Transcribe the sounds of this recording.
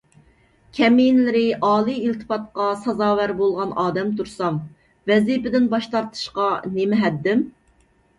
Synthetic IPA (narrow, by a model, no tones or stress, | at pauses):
kʲʰɛminlɪɾɪʔɑːlˠijilt̪ʰɨ̥pɑt̪̚qɑsɑzɑːwæɾbolˠʁɑnʔɑːd̪ɛmt̪ʰuɾsɑm | vɛzipɪd̪ɪnbɑʃt̪ɑɾt̪ʰɨ̥ʃqɑnemɪɦɛd̪ːɪm